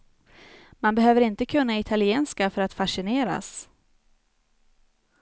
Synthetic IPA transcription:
manbɛɦøːvəɾɪnt̪əkʰɵnːaɪt̪ʰalɪeːnskafœɾat̪faʂɪneːɾa̰s

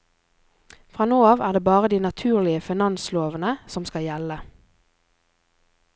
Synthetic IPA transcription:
fʁɑːnoːɑːʋæːʁd̪eːbɑːʁəd̪iːnɑt̪ʰʉːʁlɪəfɪnɑnsloːʋənəsɔmskɑjɛlə

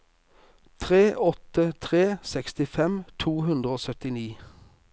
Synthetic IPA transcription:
t̪ʰʁeːʔɔt̪ət̪ʰʁeːsɛkst̪ɪfɛmt̪ʰuːhʉnd̪ʁəoːsœt̪ɪniː

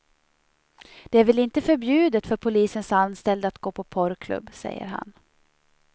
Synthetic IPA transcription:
d̪̥ɛæɾvɪlɪnt̪əfœɾbjʉ̟ːd̪ət̪fœɾpʰʊliːsənsanst̪ɛld̪əat̪ɡoːpʰɔpʰɔɾkʰlɵ̰bːsɛ̰jːə̰ɾɦa̰n

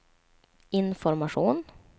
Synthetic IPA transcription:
ɪnfɔɾmaʂuːn

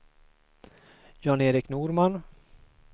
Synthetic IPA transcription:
jɑneːɾɪknuːɾman

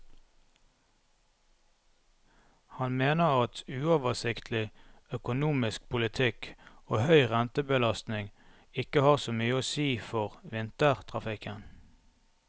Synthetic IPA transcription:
hɑnmeːnəʁɑt̪ʉːoːʋəʁsɪkt̪ʰlɪœkʊnuːmɪsk̚pʰʊlɪt̪ʰɪkoːhœʏʁɛnt̪əbəlɑst̪nɪŋ | ɪkəhɑːʁsoːmyːəoːsiːfɔʁʋɪnt̪əʁt̪ʰʁɑfɪkən

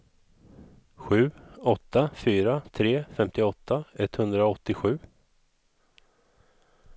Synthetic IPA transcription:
ɧʉ̟ːɔt̪ːafyːɾat̪ʰɾeːfɛmt̪ɪɔt̪ʰːaɛt̪hɵnd̪ɾaɔt̪ːɪɧʉ̟ː

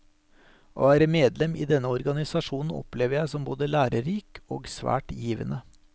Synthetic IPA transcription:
ʔo̰ːæːɾəmeːd̪lɛmḭːd̪ɛnːəɔɾɡɑnɪsɑʂuːnn̩ɔ̰pleːʋəɾjæɪsɔmboːd̪əlæːɾəɾiːko̰ːɡsʋæ̰ːʈjiːʋə̰nʔə

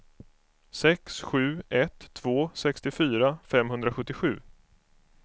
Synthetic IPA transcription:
sɛksɧʉ̟ːɛt̪ʰːvoːsɛkst̪ɪfyːɾafɛmɦɵnd̪ɾaɧɵt̪ːɪɧʉ̟̰ː

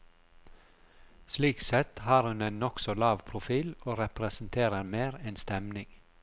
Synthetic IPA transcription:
sliːksɛt̪hɑːɾhʉneːnɔksɔlɑːʋpʰɾʊfiːloːɾɛpɾɛsn̩t̪ʰeːɾəɾmeːɾɛːnst̪ɛmnɪŋ

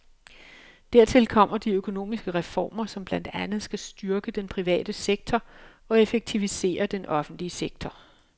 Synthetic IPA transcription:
d̥æɐ̰t͡sʰe̝lkʰɒ̽m̰ɐd̥iøkʰo̝no̝̰ːmisɡ̥əʁɛfɒ̰ːmɐsɒ̽mb̥lænd̥ænð̞̩ˠsɡ̥æsd̥yɐɡ̥əd̥enpʰʁiʋɛ̰ːd̥əseɡ̥̚t͡sʰɒ | ɒ̽e̝feɡ̥̚t͡sʰiʋise̝̰ːɐd̥enʔɒ̽fn̩d̥liəseɡ̥̚t͡sʰɒ

